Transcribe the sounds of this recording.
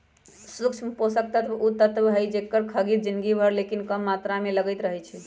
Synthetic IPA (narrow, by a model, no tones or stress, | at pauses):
sukt͡ʃʰposək̚t̪ət̪but̪ət̪bɦəjd͡ʒekːəɾkʰəɡit̪̚d͡ʒinɡibʱəɾlekinkəmːat̪ɾameləɡəjt̪ɾəɦɛt͡ʃʰɛ